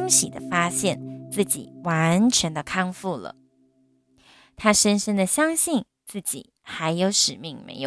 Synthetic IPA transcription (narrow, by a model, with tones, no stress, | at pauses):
ŋɕḭ˨˩d̪ə˦fa˥ɕjɛ˥˩nt͡sɹ̩˥˩t͡ɕḭ˨˩wa˧˦˥nʈ͡ʂʰɛ˧˥nd̪ə˧kʰɑ˥˧ŋfu˥˩lə̰˩ | t̪ʰa˥ʂə˥nʂə˥nd̪ə˨ɕjɑ˥ŋɕi˥˧n | t͡sɹ̩˥˩t͡ɕḭ˨˩˦ | xa˧˥ɪjo˧˥ʊʂɻ̩˨˩mi˥˩ŋmḛ˧˥ɪjo̰˨